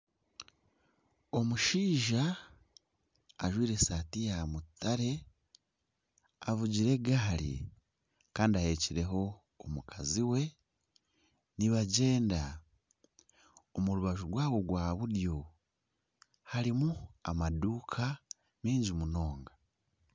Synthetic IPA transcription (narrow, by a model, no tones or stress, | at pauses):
o̞muʃiːʒa | ʒwiːɾe̞satijamutʰaɾe̞ | avuɟiɾe̞ɡaaɾḭ | kaːndiahe̞ciɾe̞ɦo̞ː | mukʰaziwe̞ | niβaɟe̞ːnda | omuɾuβaʒuɾwaːβo̞ɡwaːβuɾjo̞ | haɾimuamaduːkʰa | miːɲɟimuno̞ːŋɡa